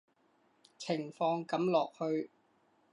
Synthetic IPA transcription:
t͡sʰɪ˨˩ŋfɔː˧ŋkɐ˨˥mlɔː˨˩k̚hɵ˧ɥ

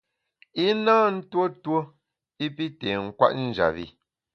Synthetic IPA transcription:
i˦naː˦n̩˦two˦two˦ | i˦pi˦te˨ŋ̩˦kwa̰˦ʔn̩˦d͡ʒa̰˨βi˦˨

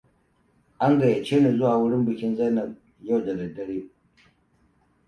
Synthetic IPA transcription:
ʔa˦ŋɡa˨ja˨t͡ʃeː˦ne˨zʊ˦waː˨wʊ˦ɽɪ˦mbɨ˨kʲɪ˦nza˦nɐ˨k̚ | ja˦˨wdɐ˨dɐ˨dɐ˦ɽiː˦

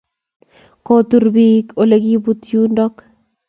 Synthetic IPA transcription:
kot̪u˦ɾbiko˨le˦ɡi˦but̪ju˦ndɔ˦k

